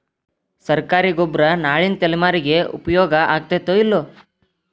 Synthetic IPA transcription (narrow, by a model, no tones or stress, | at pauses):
sɐɾkaːɾiɡobɾɐnaːɭinɐt̪elimaːɾiɡeṵpɐjɔːɡɐʔaːɡ̚t̪et̪oilːo